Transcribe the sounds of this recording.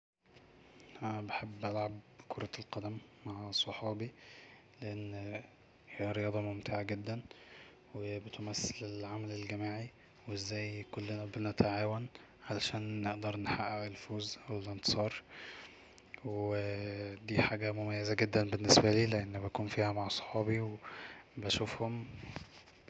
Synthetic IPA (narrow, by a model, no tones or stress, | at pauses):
ʔænæbeħebːʔælʕab̚kʰoɾˤɑlqɑd̪æmːaʕsˤɑħɑːbi | leʔenː | hihæɾejɑːd̪ˤɑmomt̪ʰeːʕaɡed̪ːæn | webet̪mæsːelelʕamælelɡæmaːʕi | wezːæːjkolːenæbenæt̪aʕaːwæn | ʕalæʃæːnːeʔd̪ɑɾˤneħaʔːæelfoːzæwlent̪e̥sˤɑːɾˤ | wed̪iːħaːɡæmomæjːezæɡed̪ːænbenːesbæliːleʔenːbækuːnfiːhæmaʕsˤɑ̥ħɑːbiwebæʃufhom